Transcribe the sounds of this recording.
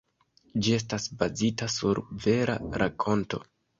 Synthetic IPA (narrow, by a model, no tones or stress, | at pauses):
d͡ʒie̞s̬tasbazitasuɾve̞ɾa̰ɾakʰo̞nto̞̰